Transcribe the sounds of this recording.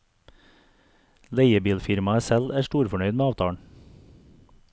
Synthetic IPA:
leɪəbiːlfɪɾmɑæsɛlæːʃʈuːɾfɔɳœʏd̪meːɑːʋt̪ʰɑːɳ

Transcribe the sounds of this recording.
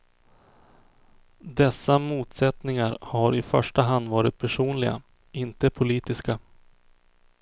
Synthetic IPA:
d̪ɛsːamuːt̪sɛt̪nɪŋaɾhaɾɪfœʂʈaɦand̪vɑːɾɪt̪̚pʰæʂuːnlɪɡa̰ | ɪnt̪əpʰʊliːt̪ɪska

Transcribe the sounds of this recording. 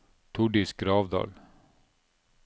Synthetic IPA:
t̪ʰʊɖɪsɡɾɑːʋd̪ɑ̰ːl

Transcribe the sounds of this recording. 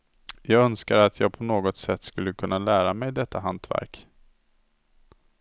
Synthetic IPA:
jɑːɡœnskaɾat̪ʰjɑːɡ̚pʰɔnoːɡɔt̪sɛt̪ːskɵlːəkʰɵnːalæːɾamɛjd̪ɛt̪ʰːaɦant̪væ̰ɾk

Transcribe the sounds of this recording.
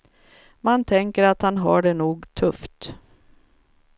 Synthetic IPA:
mant̪ʰɛŋkəɾat̪hanɦa̰ɖɛnuːɡt̪ʰɵft̪

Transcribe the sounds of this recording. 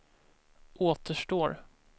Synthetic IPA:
ʔoːt̪ʰəʂʈoːɾ

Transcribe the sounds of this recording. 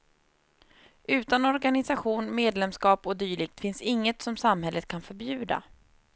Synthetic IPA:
ʉ̟ːt̪anɔɾɡanɪsaɧuːnmeːd̪lɛmskɑːpɔd̪yːɭɪɡ̚t̪fɪnsɪŋːət̪sɔmsamhɛlːət̪̚kʰanfœɾbjʉ̟ːd̪a̰

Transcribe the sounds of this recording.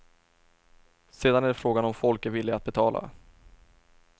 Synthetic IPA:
seːd̪anæɖɛfɾoːɡanɔmfɔlkæɾvɪlːɪat̪̚bɛt̪ʰɑːlʔa̰

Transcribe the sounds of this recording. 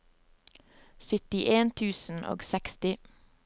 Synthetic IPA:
sʏt̪ɪʔeːnt̪ʰʉːsn̩ʔo̰ːɡsɛkst̪ɪ

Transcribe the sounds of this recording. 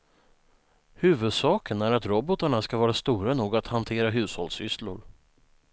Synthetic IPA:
hʉ̟ːvɵd̪sɑːkənæɾat̪ɾɔbɔt̪aɳaskavɑːɾast̪uːɾanuːɡat̪hant̪ʰeːɾaɦʉ̟ːshɔ̰ld̪sʏslʊ̰ɾ

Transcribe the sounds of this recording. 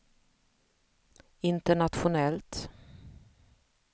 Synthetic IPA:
ɪnt̪əɳat̪ɧʊnɛlt̪

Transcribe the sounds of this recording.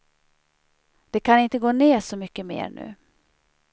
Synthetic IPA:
d̪̥ɛkʰanɪnt̪əɡoːneːʂɔmʏkːəmḛːɾɳʉ̟̰ː

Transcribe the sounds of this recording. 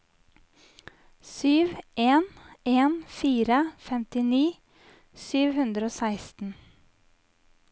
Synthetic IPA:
syːʋʔeːneːnfiːɾəfɛmt̪ɪniː | syːʋhʉnd̪ɾəoːsæɪst̪n̩

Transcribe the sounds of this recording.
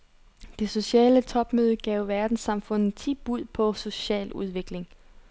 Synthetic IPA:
d̥e̝so̝ɕɛ̰ːlət͡sʰɒ̽b̥møːð̞ˠəɡ̥ɛʊʋæɐd̥n̩sɑ̈mfɔ̽n̰ð̩ˠt͡sʰib̥uð̰ˠpʰɒ̽so̝ɕɛ̰ːluð̞ˠʋe̝ɡ̥le̝ŋ

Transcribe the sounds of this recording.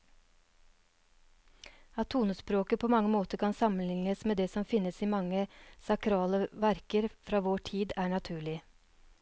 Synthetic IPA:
ɑt̪ʰːuːnəspɾoːkəpʰoːmɑŋəmoːt̪əkʰɑnsɑmənlɪŋəsmeːd̪eːsɔmfɪnːəsiːmɑŋəsɑkɾɑːləʋæɾkəɾfɾɑːʋoːʈʰiːd̪æːɳɑt̪ʰʉːɭɪ

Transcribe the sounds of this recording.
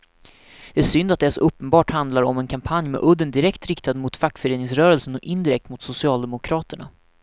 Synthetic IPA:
d̪̥ɛæʂʏnd̪at̪̚d̪ɛsɵpːənbɑːʈhand̪laɾɔ̰mɛnkʰampʰanjmɛ̰ʔɵd̪ːənd̪ɪɾɛkt̪ɾɪkt̪ad̪mʊt̪fakːfœɾeːnɪŋsɾœːɾəlsənɔkɪnd̪ɪɾɛk̚t̪mʊt̪sʊsɪɑːld̪ɛmʊkʰɾɑːt̪əɳa̰

